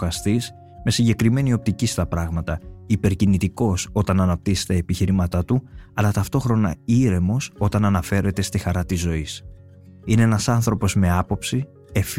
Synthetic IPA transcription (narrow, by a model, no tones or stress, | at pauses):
ɐst̪is | me̞siɲɟe̞kɾime̞nio̞p̚t̪icist̪ɐpɾɐɣmɐt̪ɐipe̞ɾcinit̪iko̞so̞t̪ɐnɐnɐp̚t̪ise̥t̪ɐepiçiɾimɐt̪ɐt̪uɐlɐt̪ɐft̪o̞xɾo̞nɐ̰iɾe̞mo̞so̞t̪ɐnɐnɐfe̞ɾe̞t̪e̞st̪ixɐɾɐt̪izːo̞is | ine̞enɐsɐnθɾo̞po̞zme̞ɐpo̞psi | e̞f